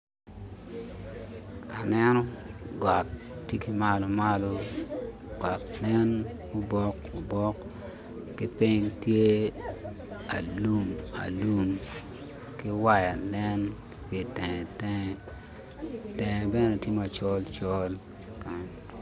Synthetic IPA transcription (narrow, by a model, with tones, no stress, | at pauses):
a̰˨nɛ˦nɔ˦ɡwa˨t | tːje˦ki˦ma˦lo˨ma˦lo˦ | ɡwa˨tlɛ˦n | ʊ˦bɔ˦ko˨bɔ˦kː | ɪ˦pi˦ŋtje˦ | a̰˨lu˦ma̰˨lu˦m | kɪ˦wa˦ja˨lɛ˦n | ki˨tɛ˨ŋɛ˨tɛ˦ŋ˦ | tɛ˨ŋɛ˨bɛ˦nɛ˨tje˦ma˨t͡ʃɔ˦lt͡ʃɔ˦l | ka˨n